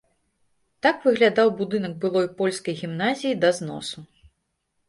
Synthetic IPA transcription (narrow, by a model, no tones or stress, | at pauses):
t̪akvɨɣlʲad̪awbud̪ɨnɐɡ̚bɨlˠɔjpɔlʲskɐjɣʲimnazʲijid̪ɐznɔ̰su